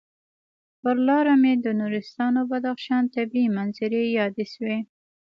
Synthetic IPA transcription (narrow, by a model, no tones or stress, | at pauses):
pəɾlɑɾamed̪ənuɾɪst̪ɑnobad̪axʃɑnt̪abiimanzɪɾejɑd̪eʃwe